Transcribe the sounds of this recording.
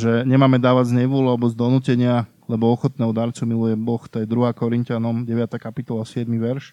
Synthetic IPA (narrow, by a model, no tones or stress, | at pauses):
ʒɛɲɛmaːmɛd̪aːʋaɟzɲɛʋʊɔlalɛbɔzd̪ɔnuːcɛɲɪa | lɛbɔɔxɔt̪̚nɛːɦɔd̪aɾt͡sumilujɛbɔxt̪ɔjɛd̪ɾuɦaːkɔɾincanɔmɟɛʋɪat̪aːkapit̪ɔlasɪɛd̪miʋɛɾʃ